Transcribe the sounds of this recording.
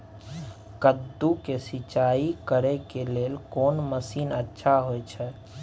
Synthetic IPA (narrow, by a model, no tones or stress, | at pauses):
kəd̪ːukesit͡ʃaikəɾɛkelelkoːnməsinətːʃʰaɦojt͡ʃʰɛ